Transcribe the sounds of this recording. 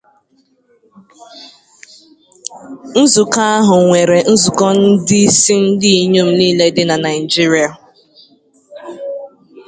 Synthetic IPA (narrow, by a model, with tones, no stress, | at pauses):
n̩˦zu˨ka˦a˦ɦʊ˨ŋʷe˨ɾe˨n̩˦zu˨kɔ˦n̩˦dɪ˦si˦n̩˦dɪ˦i˨ɲu˦m̩˦niː˦le˦dɪ˦na˨na˨ɪ˨d͡ʒi˦ɾi˨a˨